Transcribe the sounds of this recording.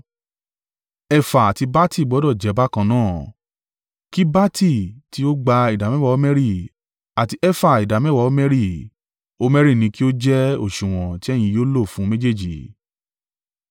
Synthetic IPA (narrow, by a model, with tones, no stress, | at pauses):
ɛ˧fa˨a˨ti˧ba˦ti˦˨ɡ͡bɔ˨˦dɔ˦˨d͡ʒɛ˨˧˦ba˦kã˧nãː˦˨ | ki˦ba˦tʰi˦˨ti˦o˦ɡ͡ba˧i˨da˨mɛ̃˦wa˧˦mɛ̃˦ɾi˦˨ | a˨ti˧ɛ˦fa˦˨i˨da˨mɛ̃˦wa˧˨o˦mɛ̃˦ɾi˦˨ | o˧mɛ̃˦ɾi˦˨nĩ˨˧ki˦o˦d͡ʒɛ˦o˦˨ʃũ˨w̃ɔ̃˨ti˦ɛ˦j̃ĩ˧joː˦lo˦˨fũ˨˦me˦d͡ʒe˦˨d͡ʒi˨